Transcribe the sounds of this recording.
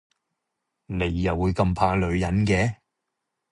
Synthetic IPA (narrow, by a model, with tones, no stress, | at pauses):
ne˨˧jːɐ˨˩wuː˨˧jkɐ˧mpʰaː˧lɵ˨˧ɥjɐ˨˥nkɛː˨˧